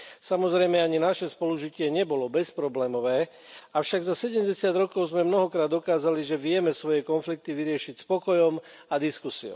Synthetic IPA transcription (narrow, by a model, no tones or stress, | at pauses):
samɔzɾɛjmɛaɲinaʃɛspɔluʒicɪɛɲɛbɔlɔbɛspɾɔblɛːmɔʋɛː | aʊʃaɡzasɛɟɛmɟɛsɪad̪ɾɔkɔʊzmɛmnɔɦɔkɾaːd̪ːɔkaːzaliʒɛʋɪɛmɛsʋɔjɛkɔnflik̚t̪iʋiɾɪɛʃicspɔkɔjɔm | ad̪iskusiɔ̰ʊ